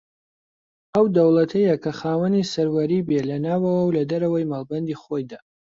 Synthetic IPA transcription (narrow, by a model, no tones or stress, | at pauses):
ɐwd̪ɐwlˠɐt̪ʰɐjɐkʰɐχaːwɐnisɐɾwɐɾibelɐnaːwɐwɐwlɐd̪ɐɾɐwɐjmaːlˠbɐnd̪iːχojd̪aː